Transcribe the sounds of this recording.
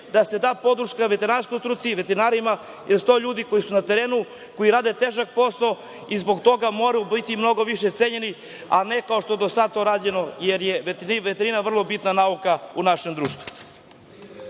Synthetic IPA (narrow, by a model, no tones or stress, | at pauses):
d̪ase̞d̪aːpo̞d̪ɾuʃkaʋe̞t̪eɾnaɾskojt̪ɾuːt̪siʋet̪eɾinaːɾima | jeɾst̪oʎuːd̪iko̞jisunat̪eɾeːnu | ko̞jiɾaːd̪et̪eːʒak̚po̞sao | izbo̞ɡt̪o̞ɡamo̞ɾajubit̪imno̞ɡo̞ʋiʃet̪seɲeni | ane̞kao̞ʃt̪o̞ed̪osad̪̚t̪o̞ɾaːde̞no̞jeɾjeʋet̪iʋet̪eɾinaʋr̩lˠo̞bit̪nanaukaunaʃemd̪ɾuːʃt̪vu